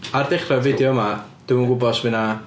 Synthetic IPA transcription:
ardɛχrɔvidjɔmad̥ɪwunɡʊbɔsmɪna

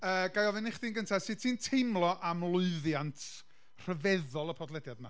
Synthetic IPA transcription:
əːɡajɔvɪnɪχdiːnɡəntʰḁsɨ̥tʰiːntʰejmlˠɔʔamlˠʊɨðjantʰ | r̥əvɛðɔlˠəpʰɔdlˠɛdjadma̰

